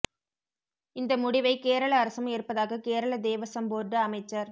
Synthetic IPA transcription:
ɪnd̪ɐmʊɽɪʋɐɪkeːɾɐɭɐːɾɐsɐmeːrpɐðaːɣɐkeːɾɐɭɐd̪eːʋɐsɐmboːdɐɐmɐɪt͡ʃːɐɾ

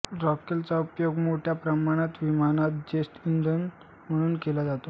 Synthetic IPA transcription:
ɾɔkelt͡saupjoɡmoʈʰjapɾəmaɽ̃at̪ʋimañat̪̚d͡ʑesʈind̪ən | m̤əɽ̃uːnkelad͡zat̪o

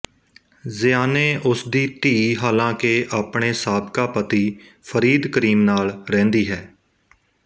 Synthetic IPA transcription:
zɪjaːneːʔʊsd̪iːt̪iːɦaːlãːkeʔaːpɳeːsaːbkaːpət̪iː | pʰəɾiːd̪kəɾiːmnaːlɾɛ̃ːnd̪iːɦɛː

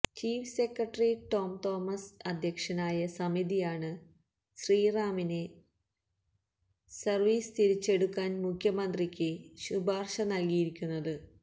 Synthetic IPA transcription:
t͡ɕiːfsekrɐʈːriʈo̞ːmt̪o̞ːmɐsɐd̪ʱjɐkʂɐnaːjɐsɐmiðijaːɳɨ | ɕriːraːmine | sɐrʋiːst̪iɾit͡ɕːe̞ɽukːaːnmukʰjɐmɐnd̪rikʲːɨɕubaːrʂɐnɐlkijiɾikʲːunːɐðɨ

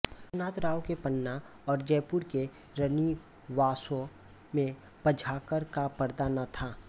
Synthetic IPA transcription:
naːt̪ɾaːwkepənːa | ɔːɾd͡ʒɛːpʊɾke | ɾəni | ʋaːsõ | mẽ | pəd͡ʒʱaːkəɾkapəɾd̪aːnat̪ʰaː

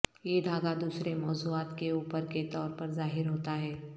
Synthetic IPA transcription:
jed̪ʱaːɡad̪uːsɾemɔːzuaːt̪keuːpəɾket̪ɔːɾpəɾzaːɦɪɾɦoːt̪aɦɛː

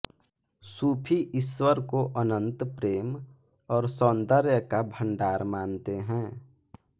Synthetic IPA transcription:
suːpʰiʔɪswəɾkoʔənə̃nt̪pɾeːm | ɔːɾsɔːnd̪əɾjəkabʱə̃ɳɖaːɾmaːnt̪eɦɛ̃ː

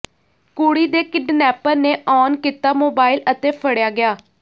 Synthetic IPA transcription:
kuːɽiːd̪eːkɪɖnɛːpəɾneːʔɔːnkiːt̪aːmoːbaːɪlət̪eːpʰəɽjaːɡɪjaː

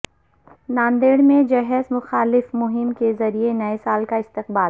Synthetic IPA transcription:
naːnd̪eːɽmẽd͡ʒɛɦɛzmʊxaːlɪfmʊɦɪmkezɐɾienɐesaːlkaɪst̪ɪq̚baːl

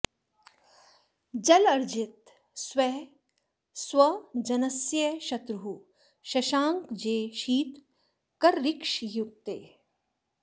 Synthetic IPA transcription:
d͡ʒɐlɐɾd͡ʒɪt̪ | swe | swɐd͡ʒɐnɐsjɐʃɐt̪ɾuɦu | ʃɐʃaːŋkd͡ʒeːʃiːt̪ | kɐɾːɪkʃjuk̚t̪eː

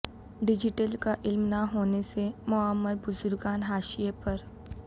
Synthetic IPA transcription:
ɖɪd͡ʒɪʈəlkaʔɪlmnaɦoːnesemʊəmːəɾbʊzʊɾɡaːnɦaːʃijepɐɾ

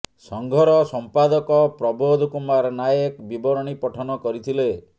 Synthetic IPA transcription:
sɔŋɡʱɔɾɔsɔmpad̪ɔkɔpɾɔbod̪ʱkumaɾnajekbibɔɾɔɽ̃ipɔʈʰɔnɔkɔɾit̪ʰile

